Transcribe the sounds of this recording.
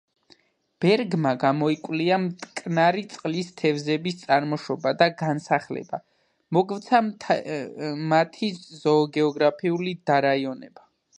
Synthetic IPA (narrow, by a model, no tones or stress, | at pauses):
b̥ɛɾɡmaɡamɔikʼwliamt̪ʼkʼnaɾit̪sʼqʼlist̪ʰɛvzɛbist̪sʼaɾmɔʃɔbad̪aɡansaχlɛ̰ba | mɔɡvt̪sʰa | mat̪ʰizɔːɡɛɔɡɾapʰiulid̪aɾaiɔnɛ̰ba